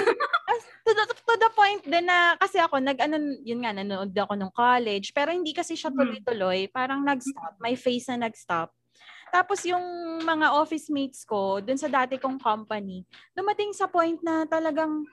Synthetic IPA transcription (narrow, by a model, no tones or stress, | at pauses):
ɐ | t̪ʊt̪ʊd̪ɐpojnt̪̚d̪ɛnːɐkɐsɛʔɐko̞nɐɡʔɐnojʊnŋɐnɐnoʔod̪ɐʔɐko̞noŋkolɛd͡ʒpɛːɾo̞hɪnd̪iːkɐsɛʃɐt̪ʊlojt̪ʊlo̞jpaːɾɐŋnɐɡst̪ap̚mɐjfejsnɐnɐɡst̪ap̚ | t̪aːposjʊŋmɐŋaʔoːfɪsmijt̪sko̞d̪ʊnsɐd̪aːt̪ɛkoŋkompɐnid̪ʊmɐt̪ɪŋsɐpojnt̪̚nɐt̪ɐlɐɡaŋ